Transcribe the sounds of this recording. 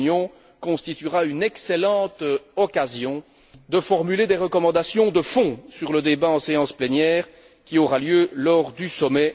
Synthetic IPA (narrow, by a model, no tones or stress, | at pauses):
njɔ̃ | kɔ̃st̪it̪yʁaynɛkselɑ̃ːt̪ɔkazjɔ̃ | d̪əfɔʁmyled̪eʁəkɔmɑ̃d̪asjɔ̃d̪əfɔ̃syʁləd̪ebaɑ̃seɑ̃splɛnjɛːʁ | kʲiɔʁaljølɔʁd̪ysɔmɛ